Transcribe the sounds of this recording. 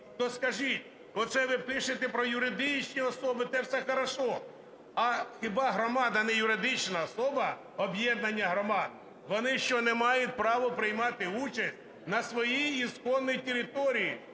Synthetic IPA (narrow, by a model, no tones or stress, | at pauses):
t̪ɔskɐʒitʲ | ɔt̪sɛʋɪp̪ɪʃɪt̪ɛpɾɔjʊɾɪd̪ɪt͡ʃnʲiɔsɔbɪt̪ɛwsɛxɐɾɐʃɔ | ɐxɪbɑɦɾɔmɑd̪ɐnɛjʊɾɪd̪ɪt͡ʃnɐɔsɔbɐ | ɔbjɛd̪nɐnʲːɐɦɾɔmɑd̪̚ | ʋɔnɪʃt͡ʃɔnɛmɑjʊt̚ʲpɾɑʋɔpɾɪjmɑt̪ɪut͡ʃɐsʲt̚ʲ | nɐsʋɔjiːskɔnːɔjitʲeɾʲɪt̪ɔɾʲiji